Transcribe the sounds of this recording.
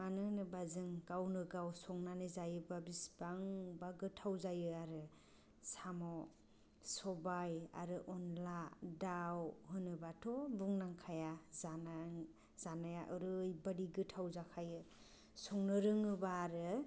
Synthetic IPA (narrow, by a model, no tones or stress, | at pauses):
manɯnɯbazɯŋkawnɯɡawsɔŋnanɯzajɯbabisbaŋbaɡɯtʰawzajɯaɾɯ | samɔ | sɔbaja̰ɾɯʔɔnladawɦɯnɯbatʰɔbuŋnaŋkʰajazana | z̥anajaʔɯɾɯjbadiɡɯtʰawzakʰajɯ | sɔŋnɯɾɯŋɯbaːɾɯ